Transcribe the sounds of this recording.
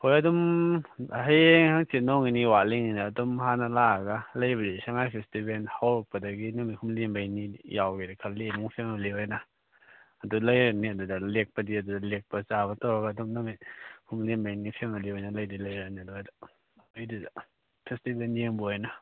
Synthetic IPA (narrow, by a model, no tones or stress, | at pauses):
hojɐdɔm | ɦajeŋhaŋsinɔŋiniwaliŋinaːdɔmɦanalaɡalajbɾisaŋajpʰestibenhawɾɔk̚pɐdɐɡinamihumlimbajnijawɡiɾakʰalemuŋpʰemaliwajna | ɐdulajɾaniadudalek̚pɐdiɐdudɐlek̚pɐt͡ʃabɐtɔɡaːdɔmnamihumlimbajnipʰemaliwajnalajdilajɾaniduadaː | jduda | pʰestibenjeŋbuajna